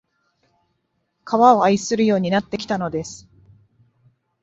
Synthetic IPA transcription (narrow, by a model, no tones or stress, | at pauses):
kʰaβao̞aisɨɾɯ̟jo̞ːɲ̟inat̪ːe̞kʲi̥t̪ano̞d̪e̞sɨ̥